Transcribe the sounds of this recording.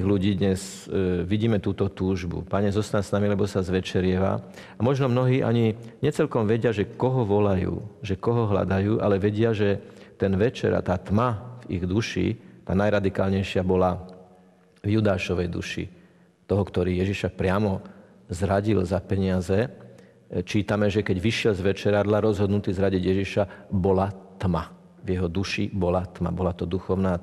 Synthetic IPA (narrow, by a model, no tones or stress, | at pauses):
iɣluɟiːd̪ɲɛz | ʋiɟiːmɛt̪uːt̪ɔt̪uːʒbṵpaɲɛzɔst̪aɲsnamilɛbɔsazʋɛt͡ʃɛɾɪɛʋa̰ | amɔʒnɔmnɔɦiːʔa̰ɲiɲɛt͡sɛlkɔmʋɛɟɪaʒɛkɔɦɔʋɔlajṵːʒɛkɔɦɔɦla̰d̪ajuːʔa̰lɛʋɛɟɪaʒɛt̪ɛnʋɛt͡ʃɛ̰ɾa̰t̪aːt̪mavḭɣd̪uʃḭt̪aːnajɾad̪ikaːlɲɛjʃɪabɔla | vjud̪aːʃɔʋɛjd̪ṵʃḭ | t̪ɔɦɔkt̪ɔɾiːjɛʒiʃapɾɪamɔ | zɾaɟilzapɛɲɪazɛ | t͡ʃiːt̪amɛʒɛkɛɟʋiʃɪɛlzʋɛt͡ʃɛɾad̪laɾɔzɦɔd̪nut̪iːzɾaɟiɟjɛʒiʃabɔlat̪ma | vjɛɦɔd̪uʃibɔlat̪ma̰bɔlat̪ɔd̪uxɔʊnaː